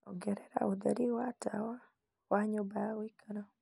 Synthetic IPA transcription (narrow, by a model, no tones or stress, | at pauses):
ɔ̰ɡɛɾɛɾa̰ʊd̪a̰ɾiwata̰wa | waɲobawikanɔ